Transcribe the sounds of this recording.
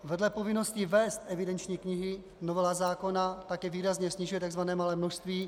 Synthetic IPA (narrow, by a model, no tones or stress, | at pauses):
vɛdlɛpovɪnoscɪvɛːst̪ʔɛvɪdɛnt͡ʃɲiːkɲɪɦɪ | novɛlazaːkonat̪akɛːviːɾazɲɛsɲɪʒujɛt̪aɡzvanɛːmalɛːmnoʃst̪viː